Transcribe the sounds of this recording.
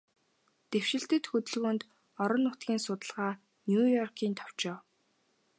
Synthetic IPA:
t̪ew̥ʃɪ̆ɬt̪ɘ̆t̪xɵt̪ɵ̆ɮɣuːnt̪ | ɔɾɞ̆nːʊt̪ɡʲiːnsʊt̪ə̆ɮʁaː | njuːjɔrkʰiːnt̪ʰɔ̥w̥t͡ɕɔː

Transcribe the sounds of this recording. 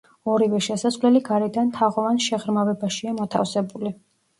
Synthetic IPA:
ɔɾivɛʃɛsasʁlɛliɡaɾɛd̪ant̪ʰaʁɔvanʃɛʁɾmavɛbaʃiamɔt̪ʰa̰fsɛbuli

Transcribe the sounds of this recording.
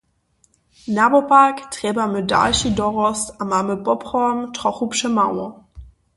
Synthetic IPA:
nabopaktʁ̥ɛːbɐmøda̰lçidɔʁɔsamaməbɔpʁɔmtʁ̥ɔχupʃəmaw

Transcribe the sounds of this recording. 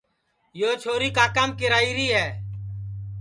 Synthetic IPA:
joːt͡ʃʰoːɾiːkaːkəmkɪɾaːiːɾiːɦɛː

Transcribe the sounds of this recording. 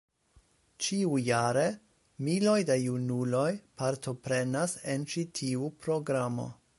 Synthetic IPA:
t͡ʃiujaɾe̞ | milo̞jdajunulo̞jpaɾtʰo̞pɾe̞nasent͡ʃitʰiupɾo̞ɡɾamo̞̰

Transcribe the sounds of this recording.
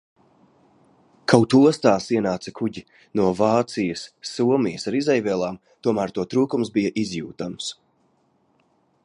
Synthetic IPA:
kʰawt̪uɔst̪aːsiɛnaːt̪sɐkʰuɟi | nuɔvaːt̪sijəsːuɔmijəsaɾizɛjvʲɛːlˠaːm | t̪uɔmæːɾt̪uɔt̪ɾuːkumsbijɐʔizjuːt̪ams

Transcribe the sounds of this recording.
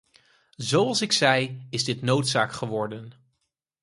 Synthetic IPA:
zowɑlˠsɪksɛjɪzdɪtnowtsaːkχəʋɔɹdən

